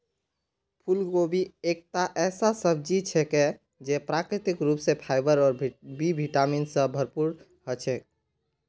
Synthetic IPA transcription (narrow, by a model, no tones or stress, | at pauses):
pʰulɡobʱiek̚t̪aʔɛsasəb̚ʱd͡ʒit͡ʃʰɛke | d͡ʒepɾakɾit̪ikɾupsẽpʰaɪbəɾɔːɾbibʱiʈaminsə̃bʱəɾpuɾ | ɦət͡ʃʰɛ